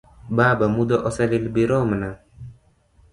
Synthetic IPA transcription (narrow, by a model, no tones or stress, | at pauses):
baːbamud̪ɔʔɔsɛlilbiɾɔmna